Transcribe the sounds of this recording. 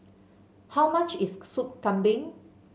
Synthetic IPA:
hawmat͡ʃissup̚kãmbɪ̃ŋ

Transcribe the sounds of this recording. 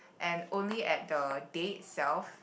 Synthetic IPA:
ʔɛ̃nõnliʔɛt̚dədet̚sɛlf

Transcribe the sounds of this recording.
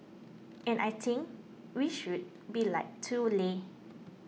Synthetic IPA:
ɛ̃nʔajt̪ʰĩŋk | wiʃud̚ | bilaɪk̚tʰule

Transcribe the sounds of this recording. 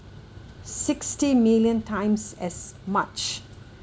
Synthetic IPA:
sɪkstimiljə̃ntʰãɪ̃msɛsmat͡ʃ

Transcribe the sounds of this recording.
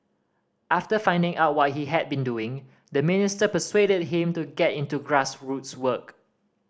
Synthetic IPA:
ʔaftəfãɪ̃ndɪ̃ŋaʊt̚wɔt̚hiɦɛd̚bĩnduɪ̃ŋ | dəmɪnɪstəpəswedəd̚ɦɪ̃mtuɡɛtɪ̃ntuɡɹasɹutswək

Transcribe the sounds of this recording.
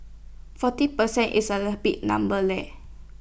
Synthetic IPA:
fɔt̪ipərsɛnʔḭsaləhbiʔnã̰mbəlɛʔ

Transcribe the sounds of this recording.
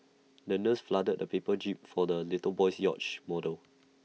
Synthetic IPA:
nənəsfladəd̚dəpepəd͡ʒip̚fɔdəlitəbɔjsjɔ̰t͡ʃmɔdəl

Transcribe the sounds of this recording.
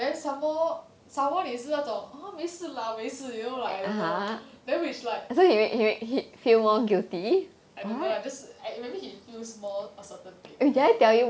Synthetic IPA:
dɛ̃nsãmɔ | sãmwɔ̃nĩsiatɔamesəlamesəjolaaɦãdɛ̃nwit͡ʃlaɪk̚sohimekhimekhifilmɔɡilti | aĩɛ̃ad͡ʒasamẽbihifusmɔəsətə̃nkidajtɛlju

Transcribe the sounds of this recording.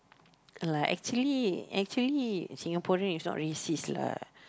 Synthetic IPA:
laʔɛ̰k̚t͡ʃuəliɛk̚t͡ʃuəlisĩŋapɔɹə̃nisnɔ̰ʔɹisisla̰

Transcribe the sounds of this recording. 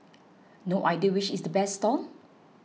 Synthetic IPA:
noʔajdiəwit͡ʃisdəbɛsːtɔn

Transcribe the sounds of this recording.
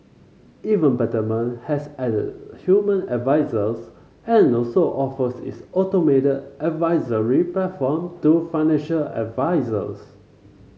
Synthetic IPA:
ivə̃nbɛtəmə̃nhɛsɛdə̰dhjumə̃nədvaɪzəs | ɛ̃nɔsoʔɔfəsḭsɔtometədʔɛdvaɪzəɹipɛfɔmtufaɪnɛ̃nʃələ̰dvaɪzə̰s

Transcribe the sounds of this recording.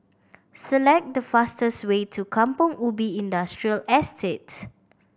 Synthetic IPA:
səlɛk̚t̚dəfastəswetʰukʰãmpɔ̃ŋubiĩndastɹiəlɛstʰets

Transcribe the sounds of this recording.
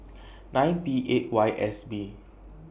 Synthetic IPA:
nãj̃npiʔet̚wajʔɛsbi

